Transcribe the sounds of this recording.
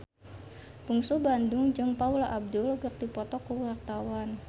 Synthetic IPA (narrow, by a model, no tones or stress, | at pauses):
b̥uŋsubandʊŋd͡ʒɨŋpaulaʔab̚dʊlɡək̚dipɔt̪ɔkuwart̪awan